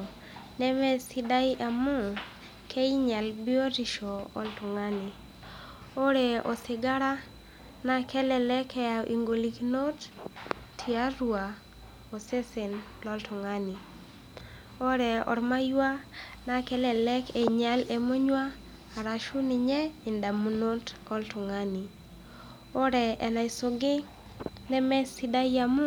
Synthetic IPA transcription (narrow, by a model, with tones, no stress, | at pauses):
nɛ˦mɛ˦sɪ˦da˦ɪ˦ʔa˨mʊ˦ | kʰe˦i˦ɲa˨lbɪ˦o˦ɾi˨ʃo˨ɔ̰˨ltʊ˨ŋa˦ni˨ | o˦ɾɛ˨ɔ̰˨sɪ˨ɡa˦ɾa˦ | na˦kɛ˦lɛ˨lɛ˦kɛ˦a˨ʔi˨ŋɡo˨li˨kno˦t | tʰi˨a˦ɾwa˨ | o˨se˦se˨nlɔ˦ltʊ˨ŋa˦ni˨ | o˦ɾɛ˨ɔ̰˨ɾma˦jwa˦na˦kɛ˦lɛ˨lɛ˦kɛ˨ɲa˦le˨mo˦ɲwaː˦˨ | ɾa˨ʃu˦ni˨ɲɛ˦ɪ˨nda˨mu˨no˦tɔ˦ltʊ˨ŋa˦ni˨ | o˦ɾɛ˨ɛ̰˨na˨ɪ˨so˨ɡɪ˦ | nɛ˦mɛ˦sɪ˦da˦ja˦mʊ˦